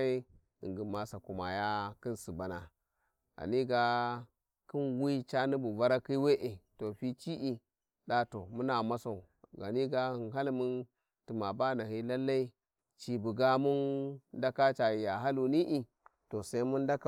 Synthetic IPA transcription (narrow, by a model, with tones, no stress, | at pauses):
i˦ | ḭ˨ŋɡi˨ma˨sa˨ku˨ma˨ja˦ki˦nsi˨ba˨na˨ | ɡa̰˨ni˦ɡa˦ | ki˦nwi˦t͡ʃa˦ni˦bu˨va˦ɾa˦ki˦we˦ʔe˨to˨ɸi˦t͡ʃi˦ʔi˦ | ɗa˦to˨mu˦na˨ma˦sa˨u˨ | ɡa̰˨ni˦ɡa˦hi˨nɦa˦lmu˦n | ti˨ma˨ba˦na˨hi˦la˦lːa˦i˦ | t͡ʃi˨bu˨ɡa˦mu˦nda˦ka˦t͡ʃa˨ji˨ja˨ɦa˦lu˨ni˦ʔi˨ | to˨sa˦i˦mu˦nda˦ka˦˨